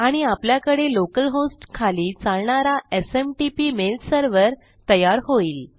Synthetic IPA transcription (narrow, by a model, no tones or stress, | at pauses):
aɽ̃iapljakəɽelokəlɦosʈkʰaliːt͡saɭɳaɾaesemʈipimelʈsəɾʋəɾ | t̪əjaɾɦoiːl